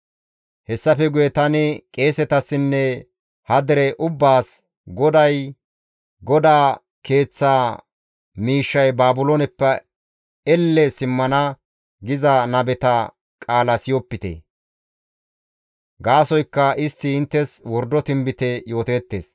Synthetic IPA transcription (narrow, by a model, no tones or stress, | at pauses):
hɛsːɐfɛɡʊjɛt̪ɐnɪkʼe̞ːsɛt̪ɐsːɪnːɛ | hɐd̪ɛɾɛʔʊbːaːs | ɡɔd̪ɐj | ɡɔd̪aː | ke̞ːt͡sːaː | miːʃːɐjbaːbʊlɔnɛpːɐ | ɛlːɛsɪmːɐnɐ | ɡɪzɐnɐbɛt̪ɐ | kʼaːlɐsɪjɔpːɪt̪ḛ | ɡaːsɔjkːɐʔɪst̪ːɪɪnt̪ːɛswɔɾd̪ːɔt̪ɪmbɪt̪ɛjo̞ːt̪eːt̪ːeːs